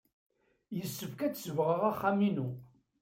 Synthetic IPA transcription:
jəsːəfkæt͡sːsəvʁəʁaχːæminu

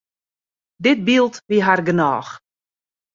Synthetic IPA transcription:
dɪt̚bilˠtʋiɦarɡənɔːx

